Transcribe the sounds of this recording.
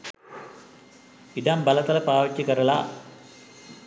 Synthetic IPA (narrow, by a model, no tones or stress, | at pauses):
id̪ambɐlɐt̪ɐlɐpaːʋɐt͡ʃʲːɐkɐɾɐɭaː